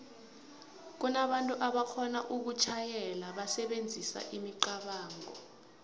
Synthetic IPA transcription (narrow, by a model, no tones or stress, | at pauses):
k̬unaɓantʼuʔaɓakʰɔnaʔuk̬ut͡ʃʰajɛlaɓasɛɓend͡zʱisa̰ʔimiǃaɓaːŋɔ